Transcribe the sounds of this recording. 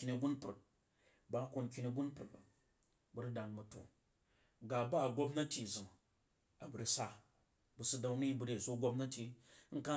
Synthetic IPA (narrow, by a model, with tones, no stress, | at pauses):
ki˧ni˧ɡu˦npu˨t̚ | ba˦ko˧nkʲi˧ni˧ɡu˦npu˨t̚ba̰˨ | bu˨ɾi˦da˨nmɐ˨to̰˨ | ɡa˨ba˦˨ɡo˦bnɐ˦tʲi˨zɨ˨ŋ | a˨bu˨ɾi˧sa˦ | bu˧su˧da˧wni˦bu˧ɾe˨so˦ɡʷo˦bnɐ˦tʲi˧˦ŋ̩˦ka˦